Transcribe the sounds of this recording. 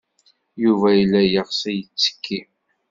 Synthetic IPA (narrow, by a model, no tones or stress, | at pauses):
juvæjəlːæjəʁsæjət͡sːə̥kʰːi